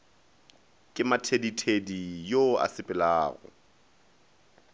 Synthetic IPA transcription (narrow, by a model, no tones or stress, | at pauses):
kʼɪmatʰeditʰedijoa̰sɪpʼɪlaːɣɔ̰